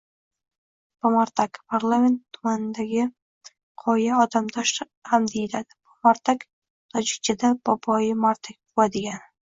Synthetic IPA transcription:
pamaɾt̪ʰakpʰaɾlˠamʲe̞nt̪ʰːʊmanɪd̪aɡʲɪ | qʰɒjaɒd̪amd̪ɒʃ | hamd̪ejɪlad̪ɪ̥pʰamaɾt̪ʰak | t̪ʰɒd͡ʒɪk̚ʲt͡ʃʰɪd̪ab̥ɒbɒjɪmaɾt̪ʰak̚ʲbʊwad̪ɪɡʲan

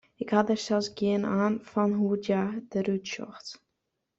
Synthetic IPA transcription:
ɪkhɑdərsɛlˠsɡiənaːnfɔnɦudjadərutʃɔ̰xt

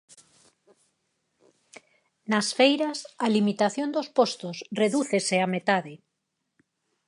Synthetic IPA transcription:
nasfejɾasalimit̪aθjond̪ospost̪osreðuθeseamet̪aðe

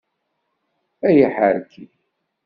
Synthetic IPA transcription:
æjəħəɾkʰːi

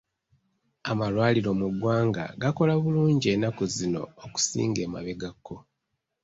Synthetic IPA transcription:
amalwaːliɾo̞muɡwaːŋɡa̰ɡako̞laβuluːɲɟie̞nakuzino̞̰ːku̥sḭːŋɡe̞ːma̰βe̞ɡakʰːo̞

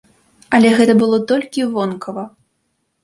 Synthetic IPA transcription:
ɐlʲɛɣɛt̪ɐbɨlˠɔt̪ɔlʲkʲivɔnkʰɐvɐ

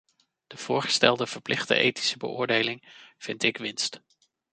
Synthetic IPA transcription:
d̥əv̥ʊːɹχə̥stɛ̰lˠdəv̥əɹplʔɪχtə̰ʔejti̥səbə̰ʔʊːɹdejlɪŋv̥ɪntɪkʋɪnst

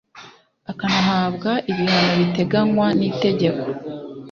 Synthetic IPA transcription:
akanaɦaːbɡaʔiβihanoβite̞ɡaŋwanite̞ɟe̞ko̞

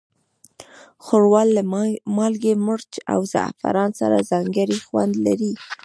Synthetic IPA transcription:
xoɽwɑlːamɑlɡemʊɽt͡ʃa̰wza̰fa̰ɾɑnsa̰ɾazɑŋɡəɾixwand̪laɾi

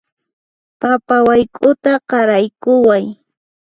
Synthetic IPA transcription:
papawajkʼʊt̪aqɑɾajkʊwaj

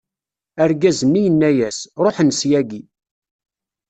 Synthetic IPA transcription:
æɾɡæzənːijənːæjæsɾˤoħnsjæɡi

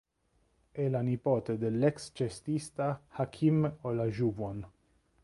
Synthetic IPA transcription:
ɛlanipoːt̪ed̪elːɛkst͡ʃest̪ist̪ahakʰimolaʒuvon

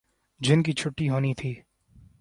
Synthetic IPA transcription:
d͡ʒɪnkit͡ʃʰʊʈːiɦoːnit̪ʰiː

